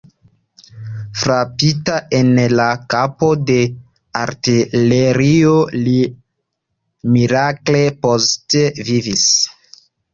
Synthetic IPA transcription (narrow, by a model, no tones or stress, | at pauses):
fɾapitaʔe̞nlakapo̞de̞ | aɾtileɾioli | miɾakle̞postevivis